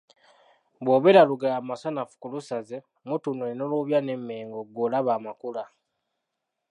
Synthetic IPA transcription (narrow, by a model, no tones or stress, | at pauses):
βwoːβeɾaluɡaamasanafu̥kulusaze | mutunwenoloβjanemːeːŋɡoɡoːlaβaːmakula